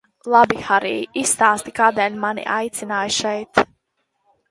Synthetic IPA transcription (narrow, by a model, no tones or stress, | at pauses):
lˠabixaɾḭːisːt̪aːst̪ikaːd̪ɛːlʲmanḭʔa̰jt̪sinaːjʃɛjt̪